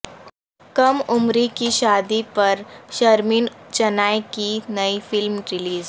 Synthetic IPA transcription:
kɐmʊmɾikiʃaːd̪ipɐɾʃɐɾmiːnt͡ʃɐnaːekinɐifɪlmɾɪliːz

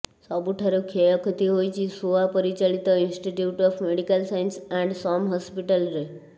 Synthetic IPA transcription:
sɔbuʈʰaɾukʰejɔkʰt̪iɦojt͡ʃʰisoʋapəɾit͡ɕalit̪ɔinsʈiʈjuʈɔfmeɽikəlsajnsɛ̃ɳɖsɔmɦɔspiʈəlɾe

